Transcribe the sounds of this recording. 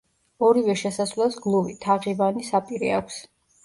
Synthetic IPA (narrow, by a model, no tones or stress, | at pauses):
ɔɾivɛʃɛsasvlɛlˠsɡlˠuvit̪ʰaʁivanisapʼiɾiakʷʰs